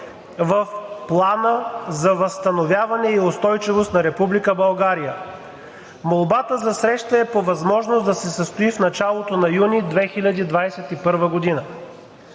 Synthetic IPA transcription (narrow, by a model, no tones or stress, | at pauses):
vəfplˠanəzɐvɐst̪ɐnovʲjavɐnɛiost̪ɔjt͡ʃivost̪nɐɾɛpublikəbɐlˠɡaɾijə | molˠbat̪əzɐsɾɛʃt̪əɛpovɐzmɔʒnosd̪ɐsɛsəst̪oifnɐt͡ʃalˠot̪onɐjunid̪vɛxilʲɐd̪id̪vajɛsɛt̪ipɤɾvəɡod̪inə